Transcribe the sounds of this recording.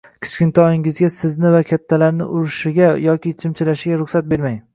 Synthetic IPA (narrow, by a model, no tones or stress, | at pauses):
kʲʰɪ̥t͡ʃkʲɪnt̪ʰɒjɪŋɪzɡʲasɪznɪvakʲʰat̪ʰːalaɾnɪ̰ʔʊɾɪʃɪɡʲajɒkʲɪt͡ʃʰɪmt͡ʃʰɪlaʃɪɡʲaɾʊχsat̪̚be̞ɾmaj